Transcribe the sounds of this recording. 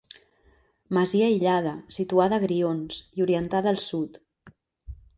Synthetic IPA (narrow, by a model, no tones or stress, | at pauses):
məziəiʎað̞əsit̪uaðəːɣɾionsiuɾiənt̪aðːlˠsut̪